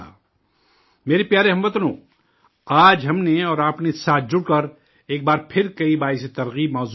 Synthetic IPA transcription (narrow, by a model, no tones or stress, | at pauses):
a̰ː | meːɾepjaːɾeɦɐmʋɐt̪nõː | aːd͡ʒɦɐmneɔːɾaːpnesaːt̪̚ʰd͡ʒʊɽkɐɾ | eːk̚baːɾpʰɪɾkɐibaːiset̪ɐɾɣiːbmɔːz